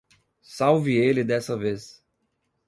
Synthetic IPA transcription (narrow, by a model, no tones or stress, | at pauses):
sawvɪelɪd̪ɛsɐves